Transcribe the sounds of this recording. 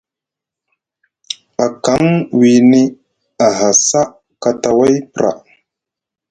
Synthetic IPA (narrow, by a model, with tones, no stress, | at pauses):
a˨ka˨˦ŋwi˨ni˦ | a˨ɦa˨sa˦ | ka˨ta˨wa˦jpɾʔa̰˨